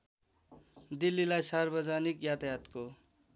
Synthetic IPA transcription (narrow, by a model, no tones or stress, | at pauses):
d̪ilːilajsarbʌd͡zanikjat̪ajat̪ko